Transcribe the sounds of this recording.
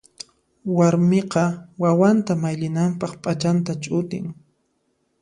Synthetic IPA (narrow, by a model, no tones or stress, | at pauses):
waɾmeqɑwawant̪amajʎɪnampɑχpʼat͡ʃant̪at͡ʃʼʊt̪ɪ̰ŋ